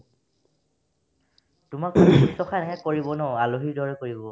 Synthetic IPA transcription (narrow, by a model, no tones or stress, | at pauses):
tʊmakuistɔxanakɛkoɹibɔnɔaloɦiɹdʱɔɹɛkoɹibɔ